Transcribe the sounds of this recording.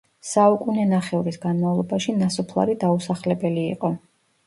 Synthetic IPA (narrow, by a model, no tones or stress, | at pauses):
saukʼunɛnaχɛuɾisɡanmavlˠɔbaʃinasɔpʰlˠa̰ɾid̪ausaχlɛbɛlḭːqʼɔ